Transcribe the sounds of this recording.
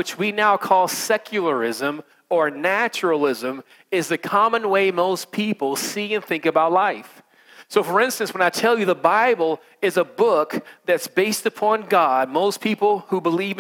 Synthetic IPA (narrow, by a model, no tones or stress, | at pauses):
wɨt͡ʃwinaʊkʰɔlˠsɛkʰjl̩ˠə˞ɪzɨ̃m | ə˞næt͡ʃl̩ˠɪzɨ̃m | ɪzðɨkʰɑmə̃nweɪmoʊspʰipl̩ˠsiɨ̃nθɪ̃ŋkɨbaʊtˡlaɪf | soʊfə˞ɪ̃nstɨ̃nswə̃naɪtʰɛlˠjɨðəbaɪbl̩ˠ | ɨzəbʊkðɨtsb̥eɪstɨpʰɑ̃nɡɑd̚moʊspʰipl̩ˠhubəliv